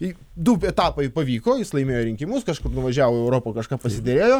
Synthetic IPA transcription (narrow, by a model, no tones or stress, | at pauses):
d̪ʊɛt̪ɑːpɐɪpɐʋʲiːkoːjɪslˠɐɪmʲeːjoːɾʲɪŋʲkʲɪmʊskɐʃkʊrnʊʋɐʒʲæːʋoːɛʊɾoːpokɐʃkɑːpɐsʲɪd̪ʲɛɾʲeːjoː